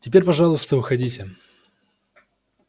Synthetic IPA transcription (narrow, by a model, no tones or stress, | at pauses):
tʲɪpʲeɾʲpɐʐalˠʊst̪əvɨxɐdʲitʲɪ